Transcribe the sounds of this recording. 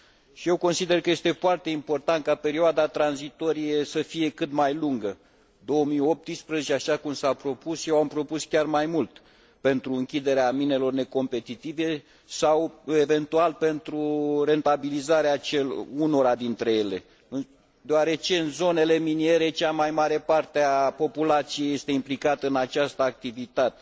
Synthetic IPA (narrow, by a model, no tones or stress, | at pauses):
ʃije̞wko̞nsid̪e̞rkəjest̪e̞foart̪e̞impo̞rt̪ant̪̚kape̞ɾioad̪at̪ɾanzit̪o̞ɾije̞səfije̞kɨt̪majluŋɡə | d̪o̞omijo̞p̚t̪ispɾəzet͡ʃeaʃakumsapɾo̞pusjewampɾo̞puskʲarmajmult̪ | pe̞nt̪ɾuɨŋkʲid̪e̞ɾeamine̞lo̞rne̞ko̞mpe̞t̪it̪ive̞ | sawe̞ve̞nt̪ualpe̞nt̪ɾure̞nt̪abilizaɾeat͡ʃeluno̞ɾad̪int̪ɾe̞je̞le̞ | d̪eoaɾe̞t͡ʃe̞ɨnzo̞ne̞le̞minie̞ɾe̞t͡ʃamajmaɾe̞part̪eapo̞pulat̪sijeje̞st̪e̞implikat̪əɨnat͡ʃast̪əak̚t̪ivit̪at̪e